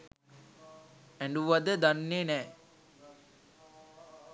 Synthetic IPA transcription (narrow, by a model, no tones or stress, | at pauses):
ɛɳɖuʋɐd̪əd̪ɐnːeːnɛː